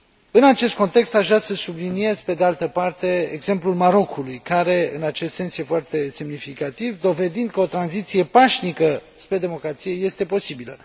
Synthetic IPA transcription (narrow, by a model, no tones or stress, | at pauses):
ɨnat͡ʃe̞st̪̚ko̞nt̪e̞kst̪aʃvɾasəsublinie̞zpe̞d̪ealt̪əpart̪e̞ḛɡze̞mplulmaɾo̞kʰulujkaɾe̞ɨnat͡ʃe̞st̪se̞nsje̞foart̪e̞se̞mnifikat̪ivd̪o̞ve̞d̪ind̪̚kəo̞t̪ɾanzit̪sije̞paʃnikə | spɾe̞d̪e̞mo̞kɾat̪sije̞je̞st̪e̞po̞sibilə̰